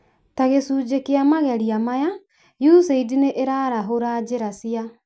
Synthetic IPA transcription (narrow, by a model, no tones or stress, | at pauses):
taɣesuːd͡ʑekeamaɣɛɾiamaja | juseidineʔeɾaɾaɦoɾad͡ʑeɾasia